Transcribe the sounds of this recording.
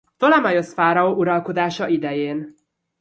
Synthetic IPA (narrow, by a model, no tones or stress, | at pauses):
t̪o̞lɛmɒjo̞sfaːɾɒoːʔuɾɒlko̞d̪aːʃɒʔid̪ɛjeːn